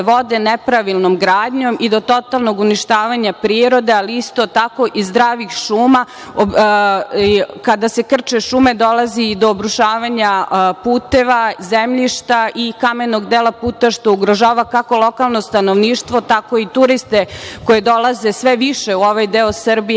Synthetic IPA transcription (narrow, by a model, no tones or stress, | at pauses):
ʋo̞d̪e̞nepɾaʋilˠnomɡɾaːd̪ɲo̞mid̪o̞t̪o̞t̪alˠno̞ɡuniʃt̪aːʋaɲapɾiɾo̞d̪e̞aliist̪o̞t̪ako̞ʔizd̪ɾaːʋixʃuːma | o | kad̪ase̞kr̩t͡ʃeʃume̞d̪o̞lˠazid̪o̞ːbɾuʃaːʋaɲapuːt̪e̞ʋazemʎiʃt̪aʔikamenoɡd̪eːlapuːt̪aʃt̪o̞uɡɾoʒaːʋakako̞lˠo̞kalˠno̞st̪anoʋniːʃt̪ʋo̞t̪ako̞it̪uɾist̪ekoje̞d̪o̞lˠaze̞sʋeʋiʃeuo̞ʋajd̪eosrbi